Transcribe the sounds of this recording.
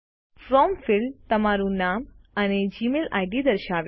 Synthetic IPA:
fɾɔmfɪlt̪əmaɾũnaməned͡ʒimela̰jɖid̪əɾʃaʋ

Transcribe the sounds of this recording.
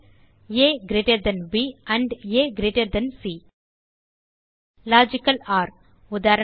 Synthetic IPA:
jeːɡɾeːʈeɾd̪ɐnʋiːɐ̃ɳɖeːɡɾeːʈeɾd̪ɐnsiː | laːd͡ʒikɐlaːɾ | ud̪aːɾɐ

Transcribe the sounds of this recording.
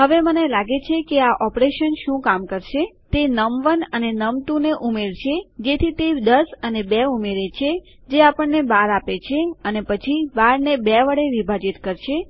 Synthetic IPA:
ɦəʋemənelaɡet͡ʃʰekeaʔɔpɾeʃənʃũkamkəɾʃe | t̪enəmʋənənenəmt̪ũneʔumeɾt͡ʃʰed͡ʒet̪ʰit̪ed̪əsənebɛumeɾet͡ʃʰe | d͡ʒeapəɳnebaɾapet͡ʃʰeənepət͡ʃʰibaɾnebɛʋəɽeʋibʱad͡ʒit̪kəɾʃʰe

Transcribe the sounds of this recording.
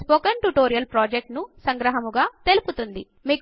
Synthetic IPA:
spoːkɐnʈuʈoːɾijɐlpɾoːd͡ʒek̚ʈnusɐŋɡɾɐɦɐmuɡaːt̪e̞luput̪und̪ḭ | miːk

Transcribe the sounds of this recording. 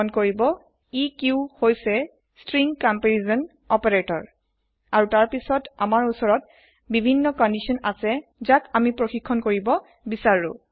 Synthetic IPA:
ɔnkoɹibɔ | ikuʊhojsɛ | stɹiŋkɔmpeɹizɔn | ɔpeɹetɔɹ | aɹutaɹpisɔtamaɹusɔɹɔt | bibʱinːɔkɔndisiɔnasɛzakamipɹoxikʰːɔnkoɹibɔ | bisaɹʊ̰

